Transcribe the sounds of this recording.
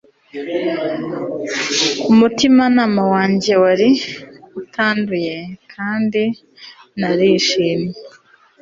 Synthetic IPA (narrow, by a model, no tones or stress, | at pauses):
umutimanaːmawaːɲɟe̞waɾiutʰaːnduje̞kʰaːndi | naɾiʃini